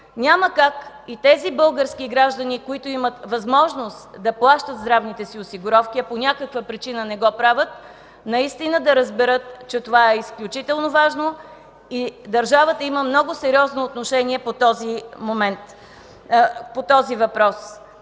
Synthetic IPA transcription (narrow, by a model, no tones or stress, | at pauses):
nʲaməkak | it̪ɛzibɤlˠɡəɾskiɡɾaʒd̪ənikoit̪ʊimət̪vɐzmɔʒnost̪d̪ɐplˠaʃt̪ət̪zd̪ɾavnit̪ɛsiosiɡʊɾɔfkʲiɐponʲakəkvəpɾit͡ʃinənɛɡɔpɾavʲət̪̚ | nɐist̪inəd̪ɐɾəzbɛɾɤt̪t͡ʃɛt̪ovaɛisklʲut͡ʃit̪ɛlˠnovaʒno | id̪ɐɾʒavət̪əiməmnɔɡʊsɛɾʲiɔznoːt̪noʃɛniɛpot̪ɔzimomɛnt̪ | pot̪ɔzivɐpɾɔs